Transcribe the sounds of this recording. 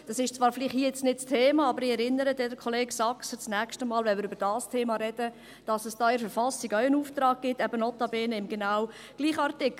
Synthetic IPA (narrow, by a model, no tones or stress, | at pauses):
d̥ɑsɪʃt͡svɑːɾflɪχthiːəjɛt͡snɪtstʰeːmɑɑbəɾɪɛɾɪnːəɾədɛdəɾkʰɔleːɡ̥sɑksət͡snɛkʃtəmɑːlvɛnmɪːɾʏb̥əɾd̥ɑːstʰeːmɑɾɛd̥ə | d̥ɑsəsd̥ɑːɪɾfɛɾfɑsiɡœɥənuːft̪ɾɑːk̚ɡ̥ɪtːɛbənɔt̪ɑbeːnəɪmɡenaw | ɡ̥liːχəɑɾtɪk